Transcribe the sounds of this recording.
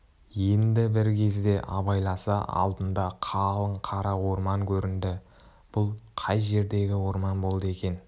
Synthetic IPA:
je̞nd̪ɪbɪɾkʲʰe̞zd̪e̞ʔɑ̰bɑjlˠɑsɑ̰ʔɑ̰lˠd̪ənd̪ɑqʰɑlˠəɴqʰɑɾɑwo̞ɾmɑŋkʲʰɵɾɪnd̪ɪ | b̥ʊlˠqʰɑjʒe̞ɾd̪e̞ɡʲɪwo̞ɾmɑnbo̞lˠd̪əe̞kʲe̞n

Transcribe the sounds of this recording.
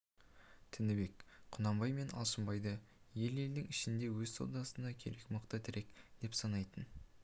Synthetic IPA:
t̪ʰɪnɪbe̞kqʰʊnɑmbɑjme̞nɑ̰lˠʃəmbɑjd̪ə | je̞le̞ld̪ɪŋɪʃɪnd̪e̞wɵzso̰ld̪ɑsənd̪ɑkʲʰe̞ɾe̞kməqt̪ət̪ʰɪɾʔe̞kd̪̥e̞psɑnɑjt̪ən

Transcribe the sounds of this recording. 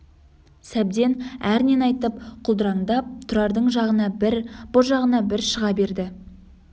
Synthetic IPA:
sæb̚d̪e̞næɾne̞nɑjt̪əp̚qʰʊlˠd̪əɾɑɴd̪ɑp̚t̪ʰʊɾɑɾd̪əɴʒɑʁənɑbɪɾb̥ʊlˠʒɑʁənɑbɪɾʃəʁɑbe̞ɾd̪ɪ

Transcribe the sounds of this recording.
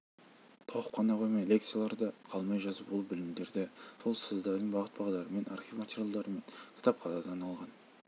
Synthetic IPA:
t̪ʰoʁəpqʰːɑnɑqʰojmɑjlʲe̞k̚t̪sɨjalˠɑɾd̪ɑqʰɑlˠmɑjʒɑzəpwolˠəbɪlɪmd̪e̞ɾd̪ɪso̞lˠsəzd̪ɑɾd̪əɴbɑʁət̪bɑʁɑd̪ɑɾəme̞na̰rχʲivmat̪ʲeɾʲjalˠd̪ɑɾəme̞ŋkʲʰɪ̥t̪ʰɑp̚qʰɑzɑd̪ɑnɑlˠʁɑn

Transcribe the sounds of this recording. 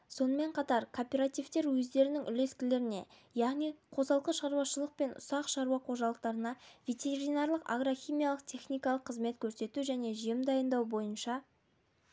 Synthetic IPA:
so̞nəme̞ɴqʰɑt̪ɑɾkʰo̞pʲe̞ɾat̪ijvt̪e̞ɾwɵzd̪e̞ɾɪnɪŋʔʏle̞skʲɪle̞ɾɪne̞ | jɑʁnijqʰo̞zɑlˠqəʃɑɾwɑʃəlˠəq̚pe̞nʔʊ̰sɑqʃɑɾuɑqʰo̞ʒɑlˠəq̚t̪ɑɾənɑvʲe̞t̪ʲe̞ɾinɑɾlˠəqa̰ɡɾoxʲijmijalˠəq̚t̪ʰe̞χnijkɑlˠəqʰːəzme̞t̪kʲʰɵɾse̞t̪uʒæne̞ʒijemd̪ɑjənd̪ɑwbo̞jənʃɑ

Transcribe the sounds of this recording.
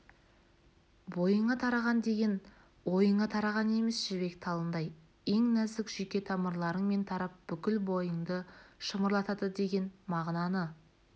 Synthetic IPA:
bo̞jəɴɑt̪ʰɑɾɑʁɑnd̪e̞ɡʲe̞n | wo̞jəɴɑt̪ʰɑɾɑʁɑne̞mesʒ̥ɪbe̞kt̪ʰɑlˠənd̪ɑj | eŋnæzɪkʒ̥ikʲe̞t̪ʰɑməɾlˠɑɾəɴme̞nt̪ʰɑɾɑp̚b̥ʏkʲɪlbo̞jəɴd̪əʃəməɾlˠɑt̪ɑd̪əd̪e̞ɡʲe̞nmɑʁnɑnə

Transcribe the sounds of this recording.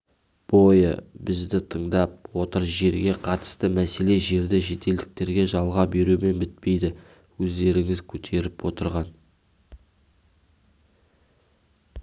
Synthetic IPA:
b̥o̞jə̰bɪzd̪ɪt̪ʰəɴd̪ɑp̚wo̞t̪əɾʒe̞ɾɡʲe̞qʰɑt̪ə̥st̪əmæse̞le̞ʒe̞ɾd̪ɪʒe̞t̪e̞ld̪ɪk̚t̪e̞ɾɡʲe̞ʒɑlˠʁɑbe̞ɾume̞nbɪt̪̚pe̞jd̪ɪ | wɵzd̪e̞ɾɪŋɪzkʲʰɵt̪ʰe̞ɾɪpwo̞t̪əɾʁɑn

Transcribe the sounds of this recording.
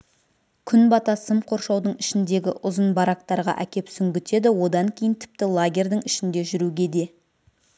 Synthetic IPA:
kʲʰʏnbɑt̪ɑsəmqʰo̞ɾʃɑwd̪əɴɪʃɪnd̪e̞ɡʲɪʔʊzənbɑɾɑk̚t̪ɑɾʁɑ̰ʔækʲe̞psʏŋɡʲʏt̪e̞d̪ɪwo̞d̪ɑŋkʲʰe̞jɪnt̪ʰɪ̥p̚t̪ɪlˠaɡʲe̞rʲd̪əɴɪʃɪnd̪e̞ʒʏɾuɡʲe̞d̪e̞

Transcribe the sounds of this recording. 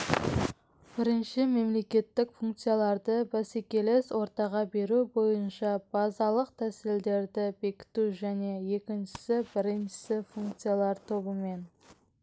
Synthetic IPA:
b̥ɪɾɪnʃɪme̞mle̞kʲe̞t̪ːɪkfuŋkt̪sɨjalˠɑɾd̪əbæsekʲe̞leswo̞ɾt̪ɑʁɑbe̞ɾubo̞jənʃɑb̥ɑzɑlˠəq̚t̪ʰæsɪld̪e̞ɾd̪ɪbe̞kʲɪ̥t̪uʒæne̞je̞kʲɪnʃɪ̥sɪbɪɾɪnʃɪ̥sɪfuŋk̚t̪sɨjalˠɑɾt̪ʰo̞bəme̞n

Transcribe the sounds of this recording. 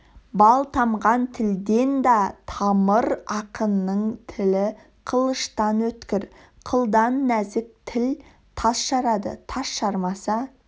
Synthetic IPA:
bɑlˠt̪ʰɑmʁɑnt̪ʰɪld̪e̞nd̪ɑt̪ʰɑməɾɑqənːəɴt̪ʰɪlɪ | qʰəlˠəʃt̪ɑnwɵt̪kʲɪɾ | qʰəlˠd̪ɑnːæzɪk̚t̪ʰɪl | t̪ʰɑsʃɑɾɑd̪ə̰t̪ʰɑsʃɑɾmɑsɑ

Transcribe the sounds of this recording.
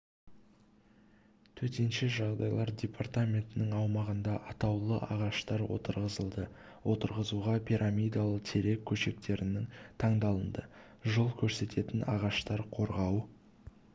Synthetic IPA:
t̪ʰɵt̪e̞nʃɪʒɑʁd̪ɑ̰jlˠɑɾd̪ʲe̞pʰart̪amʲe̞nt̪ɪnɪŋɑwmɑʁənd̪ɑʔɑt̪ɑwlˠəʔɑʁɑʃt̪ɑɾwo̞̰t̪əɾʁəzəlˠd̪ə | wʔo̞t̪əɾʁəzuʁɑpʰiɾʔamʲijd̪alˠət̪ʰe̞ɾe̞kʲʰːɵʃe̞k̚t̪e̞ɾɪnɪŋt̪ʰɑɴd̪ɑlˠənd̪ə | ʒəlˠkʲʰɵɾse̞t̪ʰe̞t̪ɪnʔɑ̰ʁɑʃt̪ɑɾqʰo̞ɾʁɑw

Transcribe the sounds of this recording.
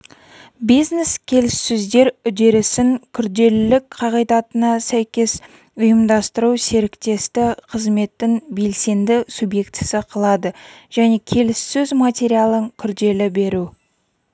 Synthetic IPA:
bijzneskʲʰe̞lɪsːʏzd̪e̞ɾʏd̪e̞ɾɪsɪŋkʲʰʏɾd̪e̞lɪlːɪkqʰɑʁijd̪ɑt̪ənɑsæjkʲe̞s | ʊjəmd̪ɑst̪əɾuse̞ɾɪkt̪e̞st̪ɪqʰəzme̞t̪ːɪŋbe̞lse̞nd̪ɪsubje̞kt̪ɪsɪqʰəlˠɑd̪əʒ̥æne̞kʲʰe̞lɪsːɵzmat̪ʲe̞ɾijalˠəŋkʲʰʏɾd̪e̞lɪbe̞ɾu

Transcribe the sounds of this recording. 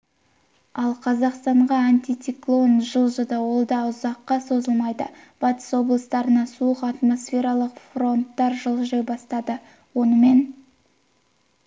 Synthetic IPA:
ɑlˠqʰɑzɑqst̪ɑɴʁɑanʲt̪ʲijt̪siklˠo̞nʒəlˠʒəd̪əwo̞lˠd̪ɑʊzɑqːɑso̞zəlˠmɑjd̪ə̰b̥ɑt̪ə̥swo̞blˠəst̪ɑɾənɑsuəqɑt̪mo̞sfʲe̞ɾɑlˠəqfro̞nt̪ːɑɾʒəlˠʒejbɑst̪ɑd̪ə | wonəme̞n

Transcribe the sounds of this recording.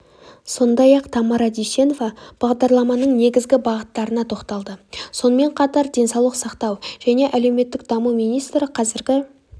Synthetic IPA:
so̞nd̪ɑjɑqt̪ʰɑmɑɾɑd̪iʃe̞no̞vɑb̥ɑʁd̪ɑɾlˠɑmɑnəɴne̞ɡʲɪzɡʲɪbɑʁət̪ːɑɾənɑt̪ʰo̞qt̪ɑlˠd̪əso̞nəme̞ɴqʰɑt̪ɑɾd̪e̞nsɑwlˠəqsɑqt̪ɑwʒ̥æne̞ʔæle̞wme̞t̪ːɪk̚d̪ɑmumijnijst̪ɾəqʰɑzɪɾɡʲɪ

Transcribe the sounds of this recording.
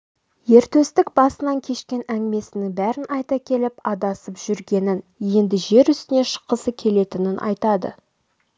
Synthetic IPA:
je̞ɾt̪ɵst̪ɪkbɑsənɑŋkʲʰe̞ʃkʲe̞næŋɡʲɪme̞sɪnɪŋbæɾɪnɑjt̪ɑkʲʰe̞lɪpɑd̪ɑsəpʒ̥ʏɾɡʲe̞nɪnje̞nd̪ɪʒe̞ɾʏst̪ɪne̞ʃə̥qːəsəkʲʰe̞le̞t̪ɪnɪnʔɑ̰jt̪ɑd̪ə̰

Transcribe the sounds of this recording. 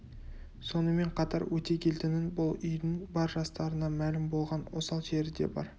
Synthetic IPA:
so̞nəme̞ɴqʰɑt̪ɑɾwɵt̪e̞kʲʰe̞lt̪ɪnɪnbʊlˠʏjd̪ɪŋbɑɾʒɑst̪ɑɾənɑmælɪmbo̞lˠʁɑnwo̞sɑlˠʒeɾɪd̪e̞̰bɑ̰ɾ

